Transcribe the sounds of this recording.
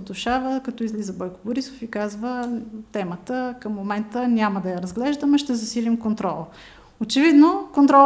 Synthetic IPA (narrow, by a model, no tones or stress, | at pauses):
d̪ʊʃavəkɐt̪ɔizlizəbɔjkʊ̥bʊɾisofikazvət̪ɛmət̪əkəmːomɛnt̪ənʲaməd̪ɐjɐɾəzɡlɛʒd̪əmɐʃt̪ɛzɐsilimkont̪ɾɔlˠə | ot͡ʃɛvid̪nokont̪ɾɔ